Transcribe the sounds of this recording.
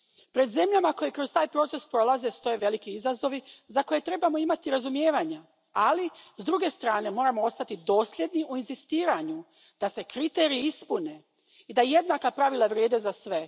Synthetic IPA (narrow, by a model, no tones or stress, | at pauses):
pɾe̞d̪ze̞mʎamako̞jikɾo̞zt̪aːjpɾo̞t̪se̞spɾo̞laze̞st̪o̞je̞ʋe̞likiizazo̞ʋizako̞je̞t̪ɾe̞bamo̞imat̪iɾazumje̞ːʋaɲa | alizd̪ɾuɡe̞st̪ɾaːne̞mo̞ːɾamoo̞st̪at̪id̪o̞ːsʎʲe̞d̪niʔuinzist̪iːɾaɲu | d̪̥ase̞kɾit̪e̞ːɾiiispune̞ | id̪aje̞d̪nakapɾaʋilˠaʋɾjeːd̪e̞zasʋe̞